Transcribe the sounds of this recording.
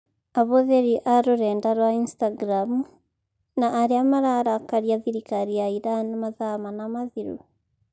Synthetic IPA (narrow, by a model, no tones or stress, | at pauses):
aβoðeɾiʔaɾoɾɛːndaɾwainstaɡɾamu | naʔːɾeamaɾaɾakaɾjaðiɾikaɾiaiɾanimaðamanamaðiɾṵ